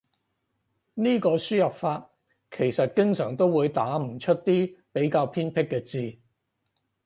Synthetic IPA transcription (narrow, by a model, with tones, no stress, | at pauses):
niː˥kɔː˧syː˥jɐ˨p̚faː˧t̚ | kʰe˨˩jsɐ˨t̚kɪ˥ŋsœː˨˩ŋt̪o˥wuː˨˧jt̪aː˨˥m̩˨˩t͡ʃʰɵ˥t̚t̪iː˥pe˨˥jkaː˧wpʰiː˥npʰɪ˥kːɛː˧t͡siː˧